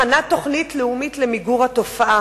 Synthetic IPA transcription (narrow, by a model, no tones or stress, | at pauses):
anat̪o̞χnitleumitlemiɡuʁato̞faʔa